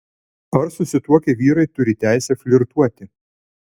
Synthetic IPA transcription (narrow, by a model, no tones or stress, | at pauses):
ɐɾsʊsʲɪt̪uɔkʲɛʋʲiːɾɐɪt̪ʊɾʲɪt̪ʲæɪsʲɛfʲlʲɪɾt̪uɔt̪ʲɪ